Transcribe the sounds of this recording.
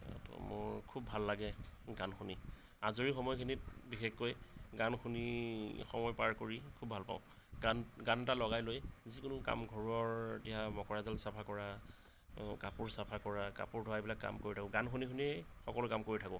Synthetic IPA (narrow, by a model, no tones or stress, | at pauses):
mʊ̰ɹkʰubʱalːaɡɛɡanxuni | azoɹixɔmɔjkʰinit̚bixexojɡanxunixɔmɔjpaɹkoɹikʰubʱalpa̰ʊ̃ | ɡanɡantalɔɣajlojzikʊnʊka̰mɡʱɔɹuɔɹetijamɔkɔɹazalsapʰakɔɹa | kapuɹsapʰakɔɹaka̰puɹdʱɔajbilakːa̰mkoɹitʰakʊɡanxunikxuniɛxɔkɔlʊkamkoɹitʰakʊ